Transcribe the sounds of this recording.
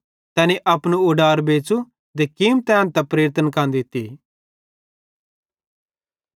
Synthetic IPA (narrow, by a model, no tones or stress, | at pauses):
t̪ɛːneʔɐpnuʊɖaːɾbeːt͡ʃu | d̪ekimt̪ɛ̃ːnt̪ɛpɾeːɾt̪ənkɐnd̪it̪ːi